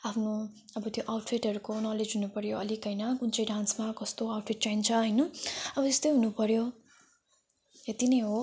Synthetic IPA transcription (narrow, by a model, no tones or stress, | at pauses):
apʰno | ʌbʌt̪joʔawʈpʰiʈʌɾukonʌled͡zɦunupʌɾjoʌ̰likʌjnʌkunt͡sʰʌjɖansmakʌst̪oawʈpʰiʈ̚t͡saint͡sʰʌɦʌjnʌʌbʌest̪ojɦunupʌɾjo | et̪inʌjɦo